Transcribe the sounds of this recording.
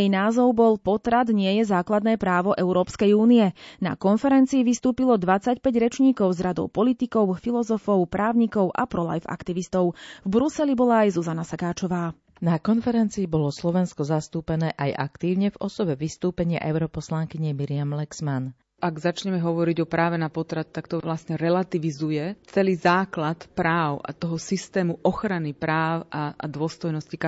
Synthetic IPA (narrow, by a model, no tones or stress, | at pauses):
jɛjnaːzɔʊbɔlpɔt̪ɾad̪ɲɪɛjɛzaːklad̪nɛːpɾaːʋɔʔɛʊɾɔːpskɛjuːniɛna̰kɔnfɛɾɛnt͡siːʋist̪uːpilɔd̪ʋat͡sacpɛɟɾɛt͡ʃɲiːkɔʊzɾad̪ɔ̰ʊpɔlit̪ikɔʊfilɔzɔfɔʊpɾaːʊɲikɔʊʔa̰pɾɔla̰jfa̰kt̪iʋist̪ɔʊvbɾusɛlibɔlaːjzuzanasakaːt͡ʃɔʋaː | nakɔnfɛɾɛnt͡siːbɔlɔslɔʋɛnskɔzast̪uːpɛnɛːʔajʔakt̪iːʊɲɛvɔsɔʋɛʋist̪uːpɛɲɪa̰ʔɛʊɾɔpɔslaŋkiɲɛmiɾɪamlɛɡsman | aɡzat͡ʃɲɛmɛɦɔʋɔɾiɟɔpɾaːʋɛnapɔt̪ɾat̪̚t̪akt̪ɔlasɲɛɾɛlat̪iʋizujɛt͡sɛliːzaːklat̪pɾaːʊʔa̰t̪ɔɦɔsist̪ɛːmuʔɔxɾanipɾaːʊaa̰d̪ʊɔst̪ɔjnɔscik